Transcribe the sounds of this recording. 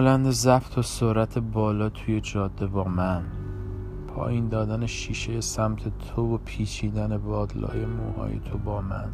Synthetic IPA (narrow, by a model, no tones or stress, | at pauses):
lænd̪ezæft̪ʰosoɾæt̪ʰe̞bɒːlɒːt̪ʰuje̞d͡ʒɒːd̪ːe̞bɒːmæn | pʰɒ̰ːjind̪ɒːd̪æneʃiːʃe̞jesæmt̪ʰe̞t̪ʰovopʰiːt͡ʃʰiːd̪ænebɒːd̪lɒ̰ːjemṵːhɒ̰ːjḛt̪ʰobɒːmæn